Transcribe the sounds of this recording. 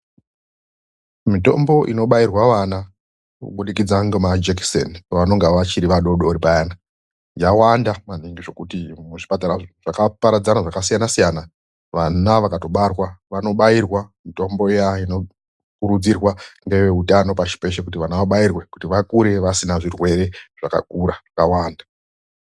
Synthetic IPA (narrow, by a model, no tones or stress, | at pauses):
mito̞̰mbo̞ʔino̞ɓajirwaʋana | kṵɓuɗikid͡zaŋɡumad͡ʒeksḛnʋano̞ŋɡaʋat͡ʃiɾiʋaɗo̞ɗoɾipajaːna | jawandaman̤iŋɡiʐo̞kutimuʐipataɾaʐ̥akapaɾad͡zanaʐakasijanasijana | ʋanaʋakato̞ɓarwaʋano̞ɓairwamito̞mbo̞ijaino̞ | kuɾud͡zirwaŋɡeʋeutano̞paʃi̥pe̞ʃekut̬iʋanaʋaɓajirwe̞kutiʋakuɾe̞ʋasinaʐirwe̞ɾe̞ʐ̥aka̰kuːɾaakawaːnda